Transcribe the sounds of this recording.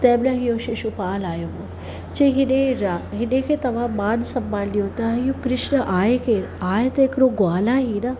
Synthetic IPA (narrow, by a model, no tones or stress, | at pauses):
t̪ɛːblãɦijoːʃiʃupaːlaːjomo | t͡ʃeɦineɾaɦinekʰet̪ɐʋaːmaːnsɐmːaːnliot̪aɦjukɾɪʃnɐʔaːjkʰe | aːjɐt̪eːkɾoːɡwaːlaɦinɐ